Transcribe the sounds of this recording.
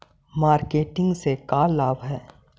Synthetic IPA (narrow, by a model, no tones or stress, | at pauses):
maːɾkeːʈɪ̃ŋɡsekaːlaːbɦɛː